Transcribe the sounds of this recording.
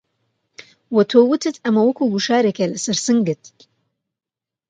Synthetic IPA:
wɐt̪ʰoːwɨt̪ʰɨt̪ʰɐmɐwɐkuːɡuʃaːɾekelɐsɐɾsɨŋɡɨt̪

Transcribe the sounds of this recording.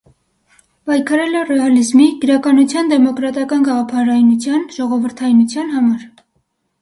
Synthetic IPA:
pɑjkʰɑɾɛlɛrɛɑlizmiɡ̥əɾɑkɑnut͡sʰjɑnd̪ɛmɔkɾɑt̪ɑkɑnɡɑʁɑpʰɑɾɑjnut͡sʰjɑnʒɔʁɔvəɾt̪ʰɑjnut͡sʰjɑnɦɑmɑɾ

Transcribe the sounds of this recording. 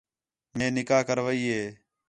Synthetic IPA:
mẽːnɪkaːkəɾʋəiːɦeː

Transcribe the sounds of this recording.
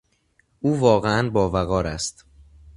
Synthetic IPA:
ʔuːvɒːɣeænbɒːvæɣɒːɾæst̪

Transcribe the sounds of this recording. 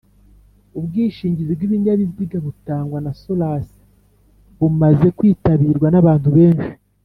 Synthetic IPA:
ubɡiːʃiːɲɟizibɡwiβiɲaβiziɡaβutaːŋɡwanasolasi̥ | βumaze̞kwiːtaβiːɾɡwanaβaːnhuβe̞ːnʃi̥

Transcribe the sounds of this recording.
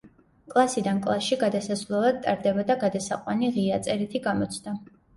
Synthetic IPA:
kʼlˠasid̪ankʼlˠasʃiɡad̪asasvlˠalad̪̚t̪ʼaɾd̪ɛbad̪aɡad̪asaqʼwaniʁiat̪sʼɛɾit̪ʰiɡamɔt̪sʰd̪a

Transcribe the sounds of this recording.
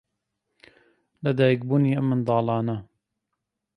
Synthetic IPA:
lɐd̪aːjək̚buːniːʔɐmːɨnd̪ɑːlɑːnɐ

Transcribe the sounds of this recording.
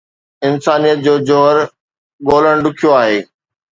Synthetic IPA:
ɪnsaːnijət̪̚d͡ʑoːd͡ʑoɦəɾ | ɠoːləɽ̃ɖʊkʰijoaːɦeː

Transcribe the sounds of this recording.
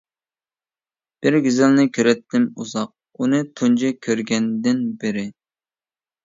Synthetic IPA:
b̥ɪɾɡʲyzɪlnɪkʲʰøɾɛt̪ʰːɪmṵzɑq̚ | unɨt̪ʰund͡ʒɪkʲʰøɾɡʲɛnd̪ɪnbɪɾɪ

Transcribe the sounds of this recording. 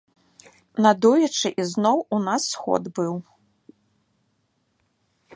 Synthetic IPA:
nad̪ujɐt͡ʂɨʔiznɔwunasːxɔ̰d̪bɨw

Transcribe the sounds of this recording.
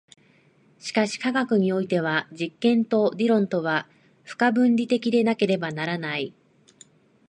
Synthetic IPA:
ɕi̥kaɕi̥kaɡakɯ̟ɲ̟io̞it̪e̞β̞ad͡ʑikːẽ̞nt̪o̞d̪ʲiɾõ̞nt̪o̞β̞a | ɸɯ̟̥kabɯ̟̃nʲɾʲit̪e̞kʲid̪e̞nake̞ɾe̞banaɾanai

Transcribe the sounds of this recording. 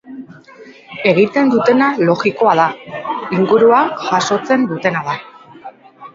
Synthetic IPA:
e̞ɣ̞it̪e̞nd̪ut̪e̞nalo̞ɣiko̞aðaiŋɡuɾuakʝaso̞t͡se̞nd̪ut̪e̞naða

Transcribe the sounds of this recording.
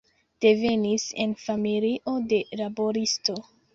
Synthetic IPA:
d̥e̞ve̞nise̞̰nfamiliʔo̞de̞labo̞ɾisto̞

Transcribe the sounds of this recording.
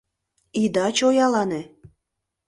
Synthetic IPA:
id̪ɑt͡ɕojɑlɑne

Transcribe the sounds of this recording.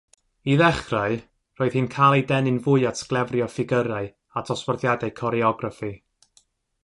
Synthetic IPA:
iðɛχraɨ | roːɨð̥hɨːnkʰajlˠedɛnɨnvʊɨatʰɡlˠɛvrjɔfɪɡəɾaɨ | atʰɔswɔrðjadaɨkʰɔɾiɔɡrafi

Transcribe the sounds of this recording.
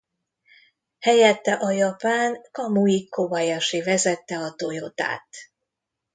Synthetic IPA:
hɛjɛt̪ːɛʔɒjɒpaːnkɒmuikːobɒjɒʃivɛzɛt̪ːɛɒt̪o̞jo̞t̪a̰ːt̪

